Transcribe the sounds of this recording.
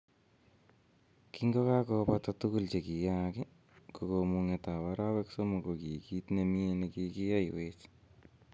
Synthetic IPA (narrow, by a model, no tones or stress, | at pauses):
kiŋɡɔkakopat̪at̪ukult͡ʃekijakɪ | kokomuŋet̪awaɾawɛksomokokikit̪nemienekikijajwet͡ʃ